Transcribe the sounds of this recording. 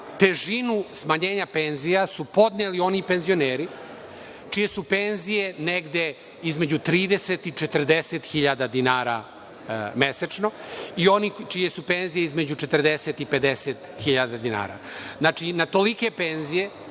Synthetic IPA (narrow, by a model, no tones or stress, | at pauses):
t̪e̞ʒinusmaɲeːɲape̞nzijasupo̞d̪nelio̞nipe̞nzio̞neːɾi | t͡ʃije̞supenzije̞neɡd̪e̞ | izme̞d͡ʑut̪ɾiːd̪eset̪it͡ʃet̪r̩d̪eset̪xiʎad̪ad̪inaːɾa | me̞set͡ʂno̞ionit͡ʃije̞supe̞nzijeizme̞d͡ʑut͡ʃet̪r̩d̪eset̪ipe̞d̪eset̪xiʎad̪ad̪ina̰ːɾa̰znat͡ʃinat̪o̞like̞pe̞nzije̞